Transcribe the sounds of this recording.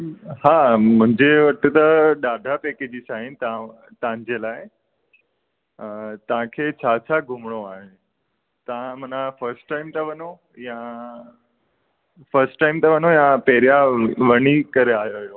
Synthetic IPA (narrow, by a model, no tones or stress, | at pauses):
ɦãm̤ə̃ɳd͡ʑeʋəʈ̪ːut̪əɖad̪ʱapeked͡ʑisaɦint̪ã | t̪ãɲd͡ʑelaɦe | t̪ãkʰet͡ɕʰat͡ɕʰaɡʱumɽoaɦẽ | t̪ãm̤ənafəɾsʈʈaimt̪əʋəno | jã | fəɾsʈʈaimt̪əʋənojãpeɾjaʋəɽ̃ikəɾeajojo